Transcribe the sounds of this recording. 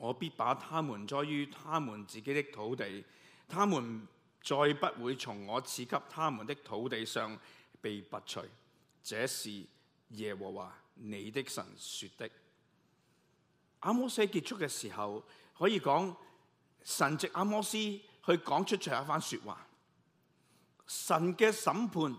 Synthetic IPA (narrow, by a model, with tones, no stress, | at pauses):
ŋɔː˨˧piː˥t̚paː˨˥t̪ʰaː˥muː˨˩nt͡ʃɔː˥jjyː˥t̪ʰaː˥muː˨˩nt͡siː˨ke˨˦˥t̪ɪ˥k̚t̪ʰo˨˥wt̪e˨j | t̪ʰaː˥muː˨˩n | t͡ʃɔː˧jpɐ˥t̚wuː˨˧jt͡sʰʊ˨˩ŋːɔː˨˧t͡sʰiː˨˧kʰɐ˥p̚t̪ʰaː˥mu˨˩nt̪ɪ˥k̚t̪ʰo˨˥wt̪e˨jsœː˨ŋpe˨jpɐ˨t̚t͡ʃʰɵ̰˨˩ɥ | t͡sɛː˨˥siː˨ | jɛː˨˩wɔː˨˩wa̰ː˨˩ne˨˧jt̪ɪ˥k̚sɐ̰˨˩nsyː˧t̚t̪ɪ˥k̚ | ʔaː˧mɔː˥sɐ˥jki˧t̚t͡ʃʰʊ˥kːɛː˧siː˨˩hɐ˨w | hɔː˨˥jiː˧kɔː˨˥ŋ | sɐ˨˩nt͡sɪ˨k̚ʔaː˧mɔː˥siː˥hɵ˧ɥkɔː˨˥ŋt͡ʃʰɵ˥t̚t͡ʃʰɔ˨˩jaː˧˥faː˥nsyː˧t̚wʔa̰ː˨˩ | sɐ˨˩nkɛː˧sɐ˨˥mpʰuː˧n